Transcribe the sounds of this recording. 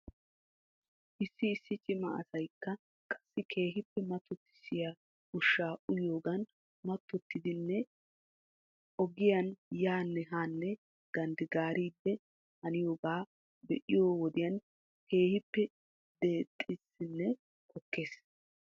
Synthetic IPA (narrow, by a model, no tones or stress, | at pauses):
ʔɪsːɪːsːɪt͡ʃʼɪmɐ̰ɐ̰sɐjkːɐ | kʼɐ̥sːɪkʰe̞ːɦɪpːɛmɐt̪ːɔt̪ːɪ̥sɪja | ʊʃːaːʔʊjo̞ːɡɐn | mɐt̪ːɔt̪ːɪd̪ɪnːɛ | ʔɔɡɪjɐnjaːnːɛɦaːnːɛ | ɡ̥ɐnd̪ɪɡaːɾiːd̪ːɛ | hɐnɪjo̞ːɡaː | bɛʔɪjoːwɔd̪ɪjɐn | kʰe̞ːhɪpːɛ | d̪e̞ːt̪ʼːɪsɪnːɛ | kɔkːe̞ːs